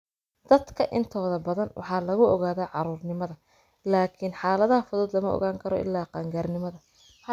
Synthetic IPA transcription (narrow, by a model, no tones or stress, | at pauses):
d̪̥ɐd̪kʰɐʔɪnt̪ʰɔːðɐbɐðɐnwʔɑ̰ħɑːlɐɣʊʔɔɣaːðɐːʕɑɾuːrnɪmɐðɐ | laːkʰɪnħɑːlɐðɐhɐfʊðɔːd̪lɐmɐɔ̰ɣaːŋkʰɐɾɔ̰ʔɪ̰lːaːqɑŋɡaːrnɪmɐðɐ